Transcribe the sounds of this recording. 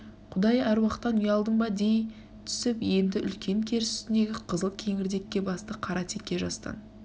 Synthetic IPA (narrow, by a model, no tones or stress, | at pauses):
qʰʊd̪ɑjæɾwɑqt̪ːɑnujɑlˠd̪əɴbɑd̪e̞j | t̪ʰʏ̥sɪpje̞nd̪ɪʔʏ̰lkʲe̞ŋkʲʰe̞ɾsʏ̥st̪ɪnd̪e̞ɡʲɪqʰəzəlˠkʲʰe̞ŋɪɾd̪e̞kʲːe̞bɑst̪əqʰɑɾɑt̪ʰekʲːe̞ʒɑst̪ɑ̰n